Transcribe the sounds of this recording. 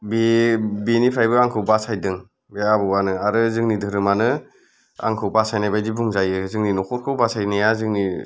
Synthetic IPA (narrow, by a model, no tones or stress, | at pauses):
bebenipʰɾajbɯaŋkʰɯwbasajdɯŋ | beabɯwanɯaɾɯzɯŋnidɯɾɯmanɯ | a̰ŋkʰɯwbasajnajbajdibuŋzajɯzɯŋninɔkʰɔɾkʰɯwbasajnajazɯŋni